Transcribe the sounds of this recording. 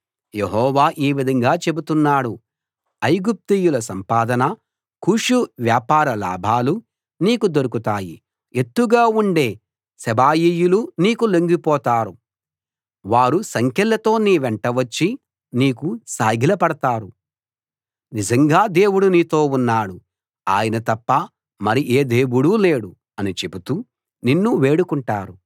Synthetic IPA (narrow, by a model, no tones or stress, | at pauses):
jeɦɔːʋaːʔiːʋid̪ʱɐŋɡaːt͡ʃe̞but̪unːaːɽu | ɐjɡup̚t̪iːjulɐsɐmpaːd̪ɐnɐ | kuːʂuʋjaːpaːɾɐla̰ːbʱaːlu | niːkud̪o̞ɾukut̪aːjḭ | et̪ːuɡaːuɳɖe̞ː | sɛbaːjiːjuluniːkuloŋɡipɔːt̪aːɾu | ʋaːɾusɐŋkɛlːɐt̪o̞ːniːʋɛɳʈɐʋɐt͡ʃːi | niːkusaːɡʱilɐpɐɽɐt̪aːɾu | nid͡ʒɐŋɡaːd̪e̞ːwuɽuniːt̪o̞ːunːaːɽu | aːjɐnɐt̪ɐpːɐ | mɐɾiʔeːd̪e̞ːwuɽule̞ːɽu | ɐnit͡ʃe̞but̪u | ninːuʋe̞ːɽukuɳʈaːɾu